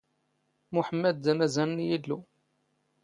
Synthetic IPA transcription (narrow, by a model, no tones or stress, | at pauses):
muħəmːæd̪̚ːæmæzænnjilːu